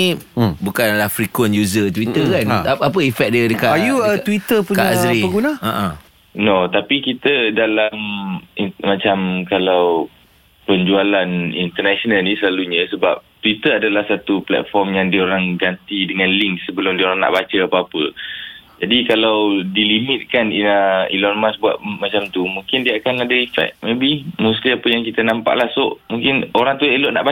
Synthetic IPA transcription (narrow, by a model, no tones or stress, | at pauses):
ibukanlahfɾikwʊnjuzət̪wit̪əkanaapəifɛk̚diədəkaajuəwit̪əpukɲaaaɾiəɡunaaʔa | not̪apikit̪ədalaminmat͡ʃamkalaw | pəɲd͡ʒualanḭnt̪ərnasonalnisəlaluɲəsəba̰p̚t̪wit̪əadalahsat̪uplɛ̰t̪̚fɔrmjaŋdioɾaŋɡant̪idəŋanliŋk̚səbəlʊmdioɾaŋna̰ʔbat͡ʃəapaːpə | d͡ʒadikalawdilimɪt̪̚kaniaḭlɔnmasbua̰t̪̚mat͡ʃamt̪umũŋkɪndiəakanadaifɛ̰k̚mebihmust̪iapəjaŋkit̪ənãmpa̰ʔlahsʊʔmuŋkɪnoɾaŋt̪uelʊʔna̰ʔba